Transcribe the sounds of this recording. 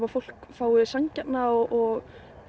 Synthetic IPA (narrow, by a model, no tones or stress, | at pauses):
vafowl̥kfaːwɪsaɲcat̪naɔʔɔɣ